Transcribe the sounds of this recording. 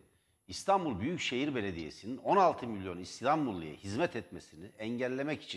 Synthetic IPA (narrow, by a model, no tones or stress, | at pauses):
ist̪ʰanbulˠbyjycʃe̞jiɾbe̞lʲe̞d̪ije̞̰sinino̞nalˠt̪ʰɯmilʲjo̞nist̪anbulˠːɯ̰ja̰hizmɛt̪ʰɛt̪me̞siniɛɲɟɛlʲːe̞mɛci̥t͡ʃʰi